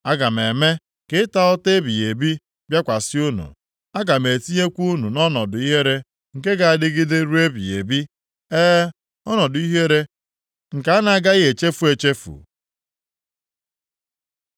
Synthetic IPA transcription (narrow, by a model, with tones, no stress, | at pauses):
a˦ɡa˨m˨e˨me˦ | kɪ˦ta˦ɔ˦te˦bi˨e˨bi˦ | bja˦kʷa˨sɪ˦u˦nṵ˨ | a˦ɡa˨me˨ti˦ɲe˦kʷu˦nu˨nɔ˦nɔ˨dʊ˨i˦ɦe˦ɾe˦ | ŋ̩˨ke˦ɡa˨a˨dɪ˦ɡɪ˦de˦ɾu˦e˦bḭ˨ḛ˨bi˦ | eː˦ | ɔ˦nɔ˨dʊ˨i˦ɦe˦ɾe˦ | ŋ̩˨ka˨˦a˦na˨a˦ɡa˦ɣe˨t͡ʃe˦fu˨˦e˨t͡ʃe˦fṵ˨